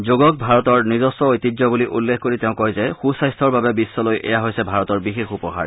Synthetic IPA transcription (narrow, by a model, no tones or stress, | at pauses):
zoɡɔk̚bʱaɹɔtɔɹnizɔstɔojt̪izɔbuliʔulːexkoɹitɛʊ̃kɔjzɛxusajstʰɔɹbabɛbisːɔlojʔɛ̰jaɦojsɛbʱaɹɔtɔɹbixexupɔɦa̰ɹ